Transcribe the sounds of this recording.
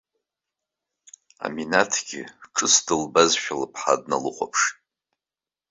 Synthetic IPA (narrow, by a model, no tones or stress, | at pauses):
a̰minatʰɡ̥ʲɪʈ͡ʂʰɨsdɨlbazʃᶣalɨpʰħadnalɨχʷʰʼapʰʂ